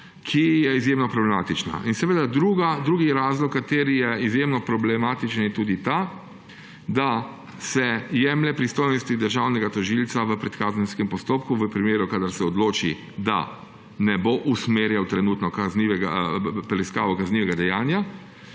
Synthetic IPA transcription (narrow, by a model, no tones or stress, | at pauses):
kʰijɛizjeːmnɔpɾɔblɛmaːt̪it͡ʃna̰ʔinsɛʋeːd̪ad̪ɾuɡad̪ɾuːɡiɾaːzlɔkːat̪eːɾijɛizjemnɔpɾɔblɛmaːt̪it͡ʃənjɛt̪uːd̪it̪a | d̪a | sɛjɛːmlɛpɾist̪oːjnɔst̪id̪əɾʒawnɛɡat̪ɔʒilsaʋəpɾɛt̪kaːzənskɛmpɔst̪oːpkuʋəpɾimeːɾukad̪aɾsɛɔd̪loːt͡ʃḭ | d̪a̰ | nɛboʔusmeːɾjawt̪ɾɛnuːt̪nɔkazniʋɛɡa̰pɾɛiskaːʋɔkazniʋɛɡad̪ɛjaːnja